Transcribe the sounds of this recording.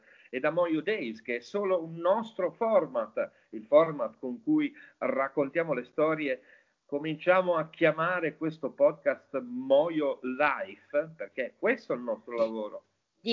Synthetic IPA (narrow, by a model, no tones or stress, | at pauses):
ed̪amɔjod̪ɛjskeɛsːoːlounːɔst̪ɾofɔrmat̪ | ilfɔrmat̪koŋkujrakːont̪jaːmolest̪ɔːɾje | komint͡ʃaːmoak̟ːjamaːɾekwest̪opɔd̪̚kast̪mɔjolajfperk̟eɛkːwest̪oilnɔst̪ɾolavoːɾo